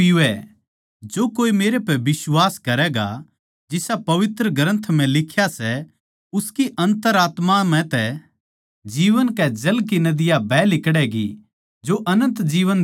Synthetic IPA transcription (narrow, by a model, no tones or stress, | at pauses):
iʋɛ | d͡ʒoːkoːimeːɾepɛbɪswaːskɐɾɛɡa̰ | d͡ʒɪsapɐʋɪt̪ɾəɡəɾə̃nt̪ʰmɛ̃lɪkʰjasɛ | ʊskiʔɐ̃nt̪əɾaːt̪mam̤ɛ̃t̪ɛ | d͡ʒiːʋənkɛd͡ʒɐlkinɐd̪ɪjabʱɛːlɪkɽɛɡḭ | d͡ʒoʔɐnə̃nt̪d͡ʒiːʋən